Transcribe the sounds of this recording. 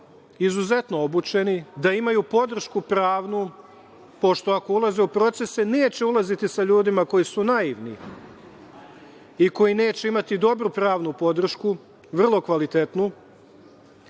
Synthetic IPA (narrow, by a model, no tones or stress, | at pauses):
izuze̞t̪no̞obut͡ʃe̞nid̪aimajupo̞d̪r̩ʃkupɾaːʋnu | po̞ʃt̪o̞ako̞ulˠaze̞upɾo̞t̪se̞sene̞ːt͡ɕe̞ulˠazit̪isaʎuːd̪imako̞jisunaiʋnḭ | iko̞jine̞ːt͡ɕe̞imat̪id̪o̞bɾupɾaːʋnupo̞d̪r̩ʃku | ʋr̩lˠo̞kʋalit̪e̞t̪nu